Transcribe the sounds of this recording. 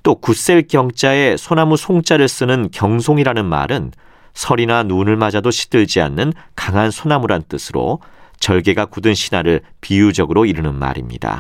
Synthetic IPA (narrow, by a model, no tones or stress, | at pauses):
t͈okus͈e̞ɭkjʌŋt͡ɕ͈ae̞sʰonamusʰoŋt͡ɕ͈aɾɯɭs͈ɯnɯnkjʌŋsʰoŋiɾanɯnma̰ɾɯn | sʰʌɾinanunɯɭmad͡ʑadoɕʰi̥t͈ɯɭd͡ʑia̰nːɯnkaŋɦansʰonamuɾannt͈ɯsʰɯɾo̰t͡ɕʌɭɡe̞ɡakudɯnɕʰinaɾɯɭpijud͡ʑʌɡɯɾoiɾɯnɯnma̰ɾimɲḭda̰